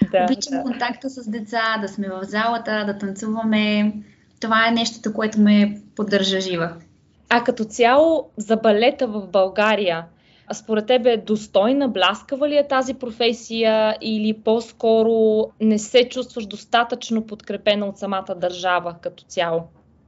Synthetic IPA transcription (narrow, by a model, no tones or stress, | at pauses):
d̪abit͡ʃɛmkont̪akt̪əsəzd̪ɛt̪sad̪ɐsmɛvɐvzalˠət̪əd̪ɐt̪ɐnt̪suvɐmɛ | t̪ovaɛnɛʃt̪o̥t̪əkoɛt̪omɛpod̪ːəɾʒəʒivə | ɐkɐt̪ɔt̪sʲjalˠozɐbɐlɛt̪əvɐfbɐlˠɡaɾijə | spoɾɛt̪ːɛbɛd̪ost̪ɔjnəblʲaskəvəlijɛt̪azipɾofɛsijəʔilipɔskɔɾonɛsɛt͡ʃust̪vəʃd̪ost̪at̪ət͡ʃnopot̪kɾɛpɛnɐot̪sɐmat̪əd̪ɐɾʒavəkɐt̪ɔ̥t̪sʲjalˠo